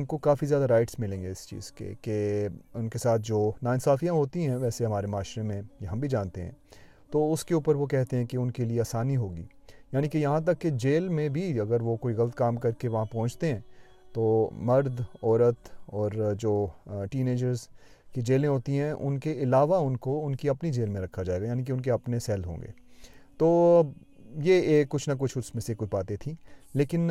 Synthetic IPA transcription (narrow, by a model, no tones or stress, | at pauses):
ʊnkokaːfizjaːd̪aɾaːɪʈsmɪlẽːŋɡeɪst͡ʃḭːz̥kḛkeʊnkesaːt̪ʰd͡ʒoːnaːɪnsaːfijãɦoːt̪iɦɛ̃ʋɛːseɦɐmaːɾemaːʃɾemẽjɐɦɐ̃mbʱid͡ʒãːnt̪eɦɛ̰̃ː | t̪oʊskeuːpəɾʋokɛɦt̪eɦɛ̃keʊnkelieaːsaːniɦoːɡḭːjaːnikejɐɦãt̪̬ɐkːed͡ʒeːlmẽbʱiɐɡəɾʋokoːiɣɐlət̪kaːmkɐɾkeʋɐɦãpɔ̃ːʊ̃t͡ʃʰt̪eɦɛ̃ː | t̪oːmɐɾd̪ɔːɾət̪ɔːɾd͡ʒoːʈiːneːd͡ʒəɾz | kid͡ʒeːlẽɦoːt̪iɦɛ̃ʔʊ̰nkeɪlaːʋaʊnkoʊnkiɐpnid͡ʒeːlmẽɾɐkʰad͡ʒaːeɡajaːnik̬eʊnk̬eɐpnesɛːlɦõ̰ːŋɡḛːt̪oː | jeeːkːʊt͡ʃʰnɐk̬ʊt͡ʃʰʊsmẽsekʊt͡ʃʰbaːt̪et̪ʰĩːleːkɪn